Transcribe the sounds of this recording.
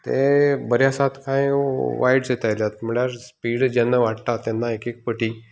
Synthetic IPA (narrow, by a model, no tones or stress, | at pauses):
t̪ḛbəɾjasat̪kãjʋajɽd͡zet̪ajljat̪̚m̤əɽjaɾspiːɽd͡ʑɛnːəʋaʈt̪at̪ːɛnːaekek̚pəʈiː